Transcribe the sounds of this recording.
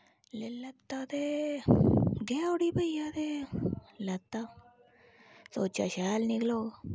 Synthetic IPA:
lelɐt̪ːad̪e | ɡeːoɽiːbəjad̪e | lɐt̪ːa | soːt͡ʃa̰ɕaːlnɪkloː

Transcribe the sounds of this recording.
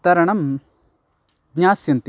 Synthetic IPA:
t̪ɐɾɐɳɐm | ɡɲaːsjɐnt̪i

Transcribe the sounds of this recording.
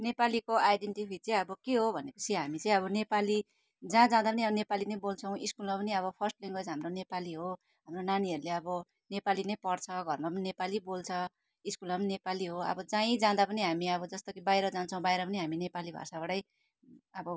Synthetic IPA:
nepalikoajɖeɳʈipʰit͡sãĩʌbʌkeɦobʱʌnepʌt͡sʰiɦamit͡sʌ̃ĩʌβʌnepali | d͡zãd͡zãd̪ap̬ʌniʌbʌnepalinʌjbolt͡sʰʌw̃ʔiskulmapʌniʌβʌpʰʌrsʈliŋɡʌsɦamronepaliɦo | ɦamronaniɦʌɾuleʌbʌ | nepalinʌjpʌɽt͡sʰʌɡʱʌrmapʌninepalibolt͡sʰʌ | iskulmapʌninepaliɦoʌ̰bʌd͡zãĩd͡zãd̪apʌniɦamiʌbʌd͡zʌst̪okibajɾʌd͡zant͡sʰʌ̃w̃bajɾʌpʌniɦaminepalibʱa̰sabaɽʌj | ʌbʌ

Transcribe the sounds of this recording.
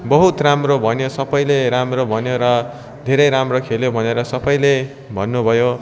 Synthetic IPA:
bʌɦut̪ramrobʱʌnjosʌbʌjleɾamrobʱʌnjoɾʌ | d̪ʱeɾʌjɾamrokʰeljobʱʌneɾʌsʌbʌjle | bʱʌnːubʱʌjo

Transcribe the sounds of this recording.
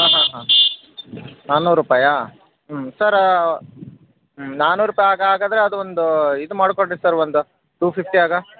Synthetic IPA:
ɦaːɦãːɦãː | naːnuːɾuːpaːjɐ | ɦsɐɾ | naːnuːɾuːpaːjaːɡɐaːɡaːd̪ɐɾeɐd̪uʋond̪uid̪umaːɽkoɳːisɐɾʋond̪u | ʈuːpʰipʈiaːɡɐ

